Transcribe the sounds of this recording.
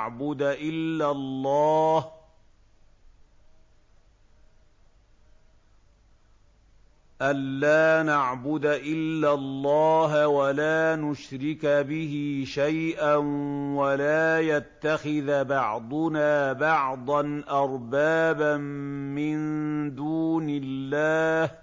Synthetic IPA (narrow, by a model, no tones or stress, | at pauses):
ʕbʊd̪aʔɪlːalˤːɑːh | ʔanlaːnaʕbʊd̪aʔɪlːalˤːɑːɦwalaːnʊʃɾɪkbɪhiʃajʔanwalaːjat̪ːaxɪðbɑʕd̪ˤʊnaːbɑʕd̪ˤɑnʔɑɾˤbaːbammɪnd̪uːnɪlːaːh